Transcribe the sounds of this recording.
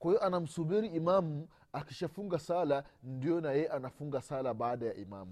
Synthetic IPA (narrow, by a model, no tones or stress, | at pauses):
kwahijɔʔanam̩subiɾiːmamu | akiʃafuŋɡasalandijɔnajɛɛʔanafuŋɡasalabaːɗaja̰ʔima̰mu